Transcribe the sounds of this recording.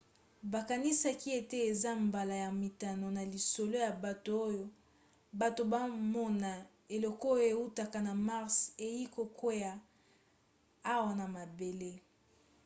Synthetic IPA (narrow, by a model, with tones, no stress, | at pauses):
ba˨ka˨ni˦sa˦ki˦e˨te˦e˨za˦mba˨la˨ja˨mi˨ta˨no˨na˨li˨so˨lo˦ja˨ba˨to˨o˦jo˦ | ba˨to˨ba˦mɔ˦na˨ | e˨lɔ˦kɔ˦jo˦e˨u˦ta˨ka˨na˨ma˦ʁse˨ji˦ko˨ko˦ja˨ | a˦wa˨na˨ma˨be˨le˦